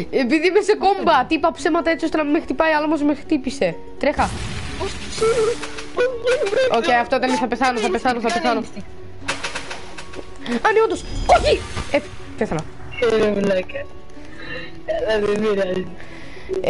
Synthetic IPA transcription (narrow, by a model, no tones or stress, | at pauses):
epiðimesekombɐt̪iipɐpsemɐt̪ɐe̞t͡siost̪enɐmimexit̪ipɐiɐlomozmexɾi̥t̪ipise̞ | t̪ɾexɐost̪si | ocejɐft̪oit̪ɐneθɐpeθɐnoθɐpeθɐnoθɐpeθɐno | ɐniond̪osoçie | peθɐnɐ | eɾevlɐkɐ | ɐlɐðeviɾɐzi